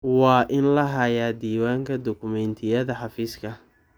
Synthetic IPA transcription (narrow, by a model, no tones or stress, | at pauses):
wɑːʔɪnlɐɦɐjaːd̪iːwaːŋkʰɐd̪ɔkʰʊmɛnt̪ʰɪjɐðɐħɑfiːskʰɐ